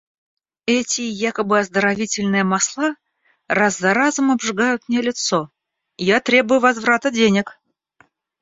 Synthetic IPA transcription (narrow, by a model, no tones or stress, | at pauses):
ɛtʲɪjakəbɨɐzd̪əɾɐvʲitʲɪlʲnɨjəmaslˠa | razːɐɾazəmɐbʐɨɡajʊt̪̚mnʲelʲɪt̪so | jat̪ɾʲe̞bʊjʊvɐzvɾat̪ədʲenʲɪk